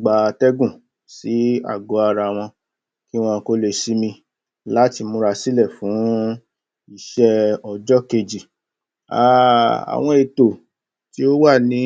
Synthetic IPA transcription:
ɡ͡ba˨˧tɛ˦ɡũ˦˨ | si˨˦a̰˦˨ɡo˨˦a˧ɾa˧˨w̃ɔ̃˧ | ki˦w̃ɔ̃˧ko˦le˧˨si˦mĩ˧ | la˦ti˧mũ˧ɾa˧si˦lɛ˦˨fũ˨˦ | i˦˨ʃɛ˦ɔ˧˨d͡ʒɔ˦ke˧d͡ʒi˨ | a˦˨a̰˨w̃ɔ̃˧e˨to˨ | ti˦o˦wa˦˨nĩ˨˦

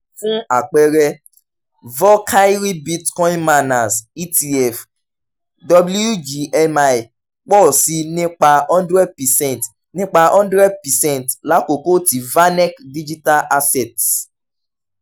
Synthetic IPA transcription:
fũ˦a̰˨k͡pɛ˧ɾɛ˧ | vɔ˦kʰa˦i˦ɾi˦bi˦tkɔ̃˦ĩ˦nma˦na˨si˦ti˧ɛ˨f | dɔ˧blu˦u˦d͡ʒi˧ʔɛ˦ma˦˨i˨ | k͡pɔ˦˨si˧nĩ˦k͡pa˧ɔ̃˦ndɾɛ˦d̚pɛ˨sɛ̃˦˨nt | nĩ˦k͡pa˧ʔɔ̃˦ndɾɛ˦d̚pɛ˨sɛ̃˦ntla˨˦ko˨ko˦ti˨va˦nɛ˦kdi˦d͡ʒi˦ta˦lʔa˦sɛ˨t

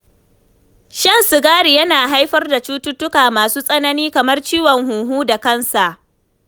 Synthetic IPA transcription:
ʃɐ˦nsʊ˨ɡaː˦ɽi˨jɐ˦naː˨ɦa˦jɸɐ˦rda˨t͡ʃuː˦tʊ˦tʊ˦kaː˨maː˨suː˦sʼɐ˦nɐ˦niː˦kɐ˨mɐ˦rt͡ʃiː˦wɔ˨ŋɦuː˨ɦuː˦da˨kɐ˦nsa˨ʔ

